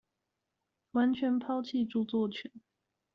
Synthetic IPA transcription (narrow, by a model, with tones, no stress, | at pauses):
wa˧˥nt͡ɕʰɥɛ˧˥npʰɑ˥ʊt͡ɕʰi˥˧ʈ͡ʂu˥˧t͡swɔ˥˩t͡ɕʰɛ˨˩˦n